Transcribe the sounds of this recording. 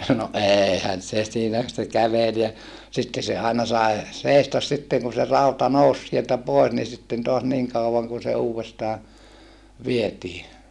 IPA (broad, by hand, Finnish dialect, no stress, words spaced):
no ʔeːhæn se siːnæ se kæʋel jɑ sitːe se ɑˑenɑ sɑi̯ seˑistɑs sitːeŋ kun̞ se rɑutɑ nous sieltæ poes ni sitːen toɑs niŋ kɑuʋɑŋ kun se uːʋestɑː ʋietiː